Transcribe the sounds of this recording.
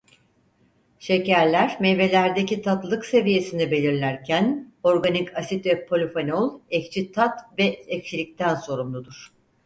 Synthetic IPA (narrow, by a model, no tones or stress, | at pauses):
ʃe̞cæɾlʲæɾmɛve̞lʲæɾd̪ecit̪ʰat̪lˠɯkse̞vije̞sind̪ɛbe̞lʲiɾlʲæɾcʰæno̞ɾɡanikʰasit̪vɛpʰo̞lʲifanolˠɛct͡ʃʰit̪ʰat̪vɛɛct͡ʃʰilʲic̚t̪ʰænso̞ɾumlˠud̪uɾ̥